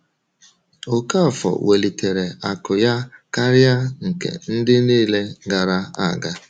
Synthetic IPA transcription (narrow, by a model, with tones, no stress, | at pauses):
o˨ka˦˨fɔ̰˨we˨li˨te˨ɾe˨a˨kʊ˨ja˦ka˦ɾɪ˦a˦ŋ̩˨kḛ˨n̩˦dɪ˦niː˦le˦ɡa˨ɾa˦a˨ɡa˦